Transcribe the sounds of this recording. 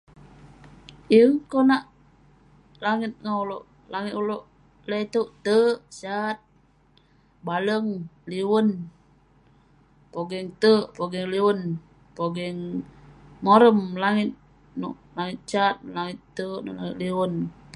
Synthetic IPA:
ʔiŋkonaʔ | laŋɪt̪̚ŋawloʔ | laŋit̪uloʔ | ləjt̪uʔt̪əʔsat̪̚ | baləŋliwən | poɡɛŋt̪əʔpoɡɛŋliwən | poɡɛŋ | moɾəmlaŋɪt̪̚ | nṵʔlaŋɪt̪̚t͡ʃat̪̚laŋɪt̪ːənṵʔlaŋit̪̚liwən

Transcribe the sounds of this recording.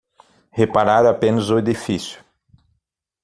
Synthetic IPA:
hepaɾaɾapẽnɐzʊed̪ifisjʊ̥

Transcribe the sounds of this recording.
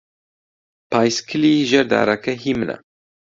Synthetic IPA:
paːjskʰɨliʒɐɾd̪a̰ːɾakɐɦimɨna̰

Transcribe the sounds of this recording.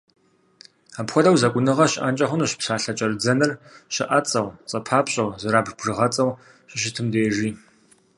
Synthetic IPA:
aːpxʷɔdɐwzɐkʷʼʊnɨʁɐɕɪʔɐnt͡ʃʼɐχʷʊnuɕpsaːɬɐt͡ʃʼɐrɨd͡zɐnɨrɕɪʔɐt͡sʼɐwt͡sʼɐpʰaːpɕʼɐwzɐɾaːbbʐɨʁɐt͡sʼɐw | ɕɪɕ̬ɪtʰɨmdejɛʒiː

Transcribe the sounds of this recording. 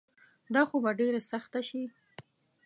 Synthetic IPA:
d̪ɑxobaɖeɾasaxt̪aʃi

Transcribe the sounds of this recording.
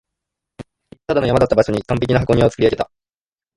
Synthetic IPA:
t̪ad̪ano̞jamad̪at̪ːabaɕo̞ɲ̟ikãmp̬ʲe̞kʲinaɦakoɲ̟ĩo̞t͡sɨ̥kɯɾʲiaɡe̞t̪a

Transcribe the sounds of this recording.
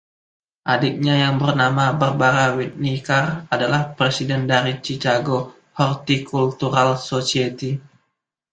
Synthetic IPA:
ʔadɪk̚ɲajaŋbərnamabərbaɾawit̪̚nikaradalahpɾesidɛndaɾit͡ʃikaɡo | hɔrt̪ikʰult̪uɾalsosiet̪i

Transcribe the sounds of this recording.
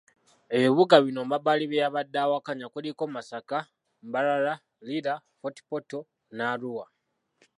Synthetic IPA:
eβiβuɡaβino̞mbabaliβejaβadːaːwakaɲakulikomasaka | mbaɾala | liɾa | poti̥poto | naːluwa

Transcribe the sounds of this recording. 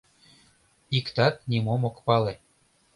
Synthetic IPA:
ikt̪ɑt̪̚nʲimomokpɑle

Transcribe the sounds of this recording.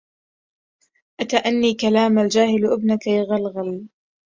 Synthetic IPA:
ʔat̪aʔanːiːkalaːmald͡ʒaːhɪlʔɪbnakajaɣalɣal

